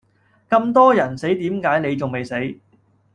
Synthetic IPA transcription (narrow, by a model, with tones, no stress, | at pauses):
kɐ˧mt̪ɔː˥jɐ˨˩nse˨˥jt̪iː˨˥mkaː˨˥jne˨˧jt͡sʊ˨ŋme˨jse˨˥j